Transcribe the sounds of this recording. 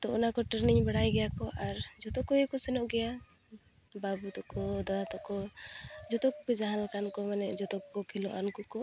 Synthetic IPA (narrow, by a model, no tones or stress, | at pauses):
t̪ɔɔnakɔʈəɾniɲbɛɽajɡɛjakɔʔaɾd͡ʒɔt̪ɔkɔjikɔsɛnɔʔɡɛja | babut̪ɔkɔd̪ad̪at̪ɔkɔd͡ʒɔt̪ɔkɔkɔid͡ʒaɦanlakankɔmanɛd͡ʒɔt̪ɔkɔkɔkʰilɔʔankukɔ